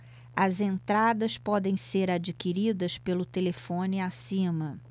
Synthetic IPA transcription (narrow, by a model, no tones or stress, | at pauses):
ɐzẽnt̪ɾad̪ɐspɔd̪ẽj̃seɾad͡ʒikiɾid̪ɐspelʊt̪elefõniasĩmɐ